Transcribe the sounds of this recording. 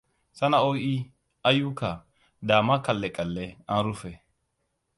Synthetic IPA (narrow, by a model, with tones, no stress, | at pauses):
sɐ˦nɐɔji˦ | ɐ˦ju˦kːɐ˨ | d̪aː˨mɐ˦kɐ˨lːɛ˨kʼɐ˨lːɛa˨nɾʊfɛ˨